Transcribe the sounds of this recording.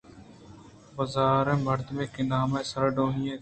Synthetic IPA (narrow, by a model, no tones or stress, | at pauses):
bəzaːɾẽːməɾd̪mẽːkeːnaːmẽːsəɾɖoːɦiːẽː